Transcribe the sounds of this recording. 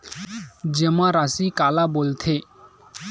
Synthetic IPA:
d͡ʒəmãɾasikaːlabolt̪ʰe

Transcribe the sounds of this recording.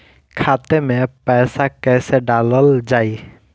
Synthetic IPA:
kʰaːt̪emẽpɛːsakɛːseɖaːləld͡ʒaːiː

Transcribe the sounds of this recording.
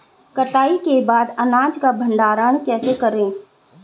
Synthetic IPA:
kɐʈ̪aːikebaːd̪ɐnaːd͡ʒkabʱə̃ɳɖaːɾəɳ̃kɛːsekɐɾẽː

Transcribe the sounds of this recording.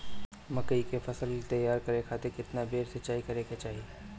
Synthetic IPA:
mɐkəikefʰɐsəlt̪ɐjaːɾkɐɾekʰaːt̪ekɪt̪nabeːɾsɐt͡ʃaːikɐɾeket͡ʃaːɦi

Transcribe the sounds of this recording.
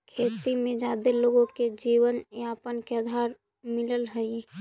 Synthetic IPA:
kʰeːt̪imẽd͡ʒad̪eloɡõked͡ʒiwənjəpənkeəd̪ʱaɾ | miləlɦəi

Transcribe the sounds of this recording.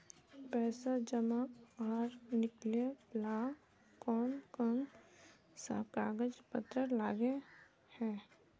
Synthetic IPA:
pɛːsad͡ʒəmakaːɾnɪkleplaː | kɔːnkəm | sa̰kaːɡəd͡ʒpət̪ɾəlaːɡe | hɛː

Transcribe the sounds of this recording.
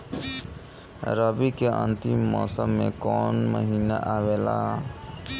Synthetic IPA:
ɾəbikeʔə̰̃nt̪imːɔːsəmːẽkɔːnməɦiːnaʔaʋela̰

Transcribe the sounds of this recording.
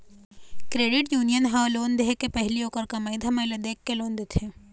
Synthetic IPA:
kɾeːɖɪʈjuːnijənɦãloːnd̪ɦekepɛɦlioːkəɾkamɐɪd̪ʱamɐled̪eːkʰːeloːnd̪et̪ʰe

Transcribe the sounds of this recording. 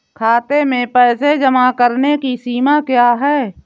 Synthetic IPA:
kʰaːt̪emẽpɛːsed͡ʒəmakəɾnekisiːmakjaːɦɛː

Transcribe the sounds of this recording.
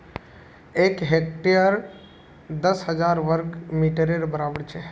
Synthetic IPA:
ekɦek̚ʈijəɾ | d̪əsɦəd͡ʒaɾʋəɾɡmiʈəɾeɾbəɾabəɽt͡ʃʰɛ

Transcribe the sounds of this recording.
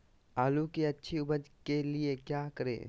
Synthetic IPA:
aːlukiɐtːʃʰiʊbəd̪keliekjaːkəɾḛː

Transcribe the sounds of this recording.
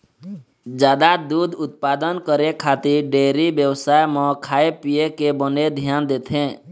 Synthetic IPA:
d͡ʒjaːd̪ad̪ud̪ʱʊt̪̚paːd̪ənkəɾekʰat̪iɾɖeːɾibjəwsaːjmɔ̃kʰaːepiekebəned̪ʱjaːnd̪eːt̪ʰẽ

